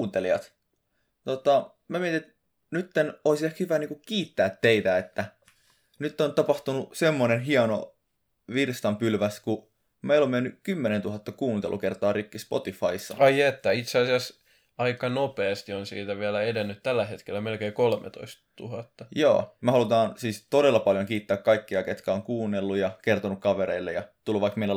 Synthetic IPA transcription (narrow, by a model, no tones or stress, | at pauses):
nt̪eliɑ̰t̪ | t̪ot̪ɑ | mæmiæt̪it̪ | nyt̪ːenoisehkhyʋæniːŋkukiːt̪ːæːt̪teit̪æet̪ːæ | nyt̪ːont̪ɑpɑht̪unusemːonenɦiɑno̰ | ʋirst̪ɑmpylʋæsku | meilommenːykymːenent̪uhɑt̪ːɑkuːnt̪ḛlʔṵkert̪ɑːrikːispo̰t̪ifɑisːɑ̰ɑiet̪ːæit̪seɑsiɑs | ɑikɑnopeːst̪ionsḭːt̪æʋiælæedenːyt̪t̪ælːæhet̪kelːæmelkeikolmḛt̪o̰ist̪t̪ṵhɑt̪ːɑjo̰ːmæhɑlut̪ɑːnsiːst̪oɾelːɑpɑljoŋkiːt̪ːæːkkɑikːiɑket̪kæoŋkuːnːelːujɑkert̪onukkɑʋeɾḛilːḛjɑt̪ulʋɑikmeilːæ